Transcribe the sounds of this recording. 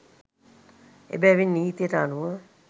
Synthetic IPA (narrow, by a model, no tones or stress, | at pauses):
ḛbɛʋinːiːit̪ijəʈəaluʋə